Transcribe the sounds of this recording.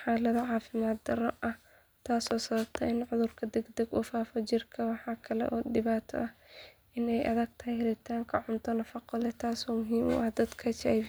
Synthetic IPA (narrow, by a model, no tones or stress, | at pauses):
ħɑːlɐðɐʕɑːfɪmaːd̪̚d̪ɐɾɔʔɐh | t̪ʰaːsɔːsɐβɐb̚t̪ʰɐʔɪnʕʊðʊrkʰɐd̪ɛɡd̪ɛɡʊ̰ːfaːfɔt͡ʃɪrkʰɐwɑħɑːkʰɐlɛ̰ʔɔːd̪ɪβaːt̪ʰɔ̰ʔɐh | ɪnɛjʔɐ̰ðɐɡ̚t̪ʰɐɦɛjhɛɾɪt̪ʰaːŋkʰɐʕʊnt̪ʰɔnɐfɑqɔlɛt̪ʰaːsɔːmʊɦiːmʊ̰ʔɐhd̪ɐd̪kʰɐt͡ʃaj